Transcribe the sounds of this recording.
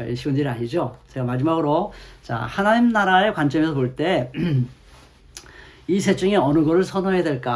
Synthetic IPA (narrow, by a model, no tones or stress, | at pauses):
iɕʰiɡʌndɯɾiaɲid͡ʑot͡ɕeɡamad͡ʑimaɡɯɾot͡ɕa̰hanaɲimnaɾae̞kwant͡ɕ͈ʌmesʰʌpoɭt͈e̞ | isʰe̞t͡ɕ͈uŋeʌnɯɡʌɾɯɭsʰʌnoɦedwe̞ɭk͈a